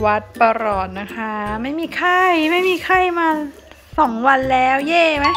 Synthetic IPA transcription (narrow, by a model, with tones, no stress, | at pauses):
wa˦˥t̪̚pa˧ɾɔː˨˩t̪̚na˦˥kʰa˦˥ma˥˩jmiː˧kʰa˥˩jma˥˩jmiː˧kʰa˥˩jmaː˧ | sɔː˩˦ŋwa˧nlɛː˦˥wjɛː˥˩ma˦˥j